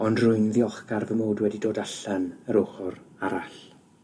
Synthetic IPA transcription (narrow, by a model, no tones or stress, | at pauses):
ɔndrʊɨnðiɔχɡarvəmoːdwɛdidoːdaɬɛnəɾʊχʊɾaɾaɬ